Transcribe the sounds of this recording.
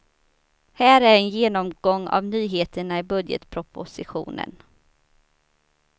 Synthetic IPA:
hæːɾæɾɛnjeːnɔmɡɔŋːa̰vnyːɦeːt̪əɳaɪbɵd̪jə̰t̪pʰɾʊpʊsɪɧṵːnə̰n

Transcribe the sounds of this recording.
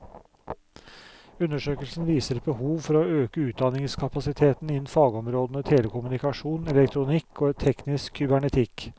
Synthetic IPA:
ʉnːəʂøːkəlsnʋiːsəɾɛbəhuːʋfɔɾoːøːkəʉːt̪̚d̪ɑnɪŋskʰɑpɑsɪt̪ʰeːt̪nɪnn̩fɑːɡɔmɾoːd̪ənət̪ʰeːləkʊmʉnɪkɑʂuːnɛlɛkt̪ʰɾʊnɪkʰːoːt̪ʰɛknɪskʰːʏbæɳɛt̪ʰɪk

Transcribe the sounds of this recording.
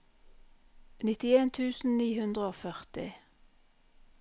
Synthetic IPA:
nɪt̪ɪeːnt̪ʰʉːsn̩niːhʉnd̪ʁəoːfœʁt̪ɪ̰

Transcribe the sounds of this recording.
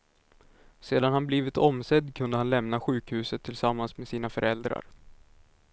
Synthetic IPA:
seːd̪anhanbliːvɪt̪ɔmsɛd̪kʰɵnd̪əhanlɛmnaɧʉ̟ːkhʉ̟ːsət̪ʰːɪlsamːansmeːsiːnafœɾɛld̪ɾa̰ɾ

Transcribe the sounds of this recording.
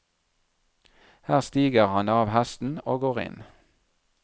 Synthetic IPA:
hæːʁst̪iːɡəʁhɑnɑːʋhæst̪n̩oːɡoːʁɪ̰n

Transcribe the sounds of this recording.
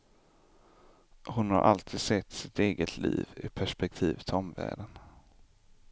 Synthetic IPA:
hʊnha̰ɾʔa̰lt̪ʰiːd̪sɛt̪ːsɪt̪eːɡət̪ʰlḭːvɪpʰæʂpɛk̚t̪ʰiːvət̪ʰɔmvæ̰ːɖən

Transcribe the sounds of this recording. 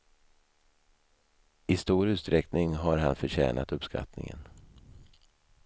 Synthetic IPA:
ɪst̪uːɾʉ̟ːtst̪ɾɛknɪŋɦaɾɦanfœɕɛ̰ːnʔat̪ɵpskʰa̰t̪nɪ̰ŋə̰n

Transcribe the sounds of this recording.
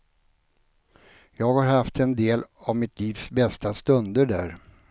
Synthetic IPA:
jɑːɡhaɾhaft̪ʰɛnd̪eːlavmɪt̪ʰliːvsbɛst̪ast̪ɵnd̪əɖæːɾ

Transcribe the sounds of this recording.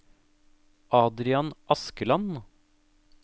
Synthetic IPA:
ʔɑːd̪ɾɪɑnʔɑskəlɑn

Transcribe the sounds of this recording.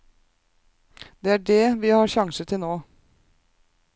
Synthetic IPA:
d̪eːæːɖɛːʋiːhɑːɾʃɑŋsət̪ʰɪnoː

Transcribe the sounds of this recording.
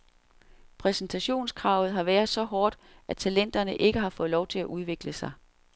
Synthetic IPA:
pʰʁɛsnt͡sʰæɕo̝̰ːnskʰʁɑ̈ʊð̞̩ˠɦɑ̈ʋæːɐðˠsɒ̽ɦɒːd̥ʔæt͡sʰælen̰d̥ɐnəʔe̝ɡ̥əɦɑ̈fɔ̽ð̩ˠlɒʊt͡sʰe̝æʔuð̞ˠʋe̝ɡ̥ləsɑ̈ɪ

